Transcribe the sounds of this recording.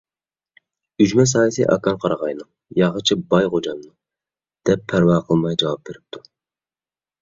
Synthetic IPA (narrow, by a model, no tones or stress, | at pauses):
yd͡ʒmɛs̬ɑːjɛsḭjʔɑ̰kɑnqʰɑɾɑʁɑjnɨŋ | jɑʁət͡ʃʰɪbɑjʁod͡ʒɑmnɨ | d̪̥ɛpʰːæɾwɑːqʰəlˠmɑjd͡ʒɑwɑp̚beɾɪp̚t̪ʰu